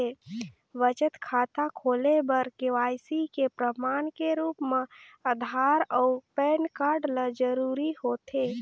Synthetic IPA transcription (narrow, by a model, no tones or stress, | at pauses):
e | ʋət͡ʃət̪kʰaːt̪akʰoːlebəɾkeʋajsikepɾəmaːnkeɾuːpmeəd̪ʱaːɾɔʊpɛːnkaɾɖləd͡ʒəɾuɾihot̪ʰe